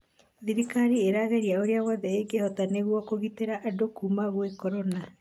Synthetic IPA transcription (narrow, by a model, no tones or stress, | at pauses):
ðiɾikaɾieɾaːɣɛɾiaoɾeawɔːðɛeɡehɔtaneɣwɔkoɣiteɾaʔadokuːmaɣwekɔɾɔna